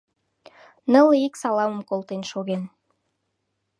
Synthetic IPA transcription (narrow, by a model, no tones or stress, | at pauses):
nɤlˠiksɑlˠɑməmkolˠt̪enʃoɣen